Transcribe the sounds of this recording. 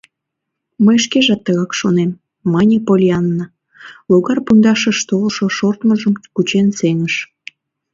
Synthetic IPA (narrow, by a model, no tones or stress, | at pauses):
məjʃkeʒɑt̪ːəɣɑkʃonemː | ɑnʲepolʲiɑnːə | loɣɑrpund̪ɑʃəʃt̪olʃoʃort̪məʒəmkut͡ɕenseŋəʃ